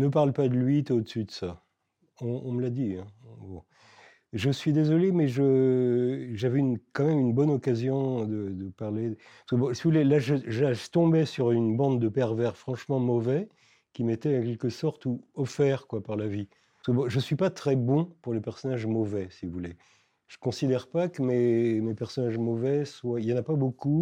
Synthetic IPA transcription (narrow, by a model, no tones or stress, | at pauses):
nəpaʁlpad̪əlɥit̪od̪əsyd̪əsa | ɔ̃ɔ̃məlad̪iɛ̃bɔ̃ | ʒəsɥid̪ezɔlemɛʒə | ʒavɛynkɑ̃mɛmynbɔnɔkazjɔ̃d̪əd̪əpaʁle | skəbɔ̃sivuvulelaʒəʒaʒt̪ɔ̃bɛsyʁynbɑ̃d̪d̪əpɛʁvɛʁfχɑ̃ʃmɑ̃mɔvɛ | kʲimet̪ɛɑ̃kʲɛlkəsɔʁt̪uɔfɛʁkwapaʁlavi̥ | səbɔ̃ʒəsɥipat̪χɛbɔ̃puʁlepɛʁsɔnaʒmɔvɛsivuvule | ʒ̥əkɔ̃sid̪ɛʁpakəmɛmepɛʁsɔnaʒmɔvɛswailjɑ̃napaboku